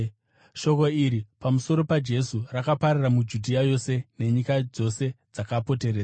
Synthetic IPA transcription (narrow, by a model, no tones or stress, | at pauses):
ʃo̞ko̞iɾipamuso̞ɾo̞pad͡ʒe̞surakapaɾaramud͡ʒudʱiajo̞se̞ne̞ɲikad͡zo̞se̞d͡zakapo̞te̞ɾeːza